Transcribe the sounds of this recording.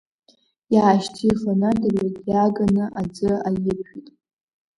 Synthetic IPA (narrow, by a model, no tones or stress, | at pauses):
jaːʃtʰifanadɨratʼjaɡanɨʔad͡zɨajɪpʰitʼ